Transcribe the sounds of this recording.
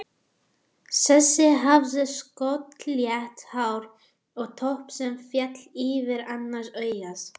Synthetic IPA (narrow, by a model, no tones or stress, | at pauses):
sɛsːɪɦavðɪskɔt̪ljɛht̪hawɾ | ɔɣt̪ʰɔhpsɛmfjɛt̪liːvɪɾanːaɾ̥sœːɥjas